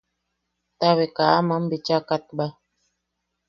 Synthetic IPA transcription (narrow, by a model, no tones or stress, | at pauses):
t̪aβekaamam̩bet͡ʃakat̪̚ba